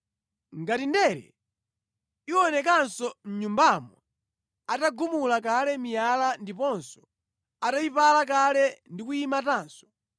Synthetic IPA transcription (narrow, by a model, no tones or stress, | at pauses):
ŋɡatindɛɾɛ̰ | iwɔnɛk̬ansɔm̩ɲumbamɔ | ataɡumulakalɛmijalandipɔnsɔ̥ | atajipalak̬alɛndikujimataːnsɔ̥